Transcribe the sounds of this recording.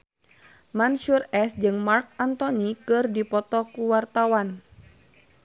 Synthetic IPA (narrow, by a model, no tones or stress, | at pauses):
manʃurɛsd͡ʒɨŋmark̚ant̪ɔnikɨrdipɔt̪ɔkuwart̪awan